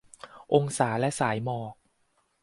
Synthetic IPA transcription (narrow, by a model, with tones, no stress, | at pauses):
ʔo˧ŋsaː˩˦lɛ˦˥saː˩˦jmɔː˨˩k̚